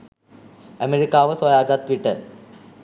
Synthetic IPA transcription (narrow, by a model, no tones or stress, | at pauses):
ɐmeɾikːaːʋɐsɐjaːɡɐt̪ʋiʈːɐɾ